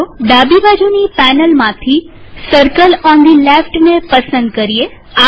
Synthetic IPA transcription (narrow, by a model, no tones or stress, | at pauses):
ɖabibad͡ʒunipɛnəlmãt̪ʰi | səɾkəlɔ̃nd̪ilefʈnepəsənd̪̚kəɾie | a